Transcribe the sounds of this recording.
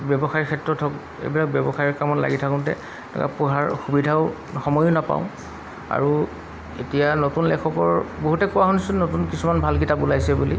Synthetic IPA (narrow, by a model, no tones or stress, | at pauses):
bjɔbɔxaɹiɹkʰɛtɹɔtʰɔk | ḛjbilak̚bɔbɔxaɹiɹkamɔtla̰ɡitʰakʊ̃ntɛ̰ | nɔ̰ka̰puɦaɹxubidʱaʊ | xɔmɔjʊnapa̰ʊ̃ | a̰ɹu | etijanotunlɛkʰɔkɔɹboɦutɛkowaɦunisʊnotunkisumanbʱalk̬itabulajsɛbulḭ